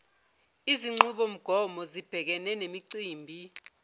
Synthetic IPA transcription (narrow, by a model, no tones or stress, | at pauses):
iziŋ͡ǀuɓom̩ɡ̥ʱɔmɔzib̥ʱɛk̬ɛnɛnemiǀiːmbʱi